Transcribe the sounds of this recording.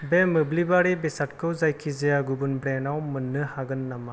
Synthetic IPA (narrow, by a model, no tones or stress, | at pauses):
bemɯblibaɾibesat̚kʰɯwzajkʰizijaɡubɯnbɾenawmɯnːɯhaɡɯnːama